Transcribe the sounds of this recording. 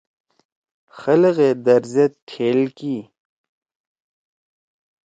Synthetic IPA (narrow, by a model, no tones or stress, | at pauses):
xɐlɣed̪ɐɾzjɐt̪̚ʈʰeːlkiː